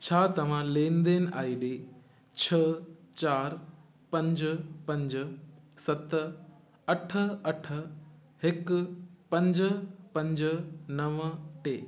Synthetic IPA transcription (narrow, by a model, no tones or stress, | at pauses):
t͡ɕʰaːt̪ɐʋ̤ãlẽːnd̪eːnɪ̆a̰ːiːɗeː | t͡ɕʰɐt͡ɕaːɾ | pɐ̃ɲd͡ʑəpɐ̃ɲd͡ʑəsɐt̪ə | ɐʈʰə̆ɐʈʰə̆ | hɪkpɐ̃ɲd͡ʑəpɐ̃ɲd͡ʑənɐʋəʈeː